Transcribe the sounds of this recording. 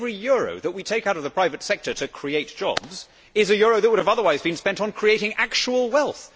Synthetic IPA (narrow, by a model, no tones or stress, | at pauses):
vɹijʊɹo̰ʊðəʔ̚witʰeɪkaʊɾʌvðəpʰɹ̥aɪvɨtsɛk̚tə˞ɾɨkʰɹ̥ieɪt̚d̥ʒ̥ɒ̰bz | ɪzɨjʊɹoʊðɨt̚wʊɾɨvʌðə˞waɪzbɨ̃nspɛ̃ntn̩kʰɹ̥ieɪɾɪ̃ŋʔæk̚t͡ʃəwəl̩ˠwɛlˠθ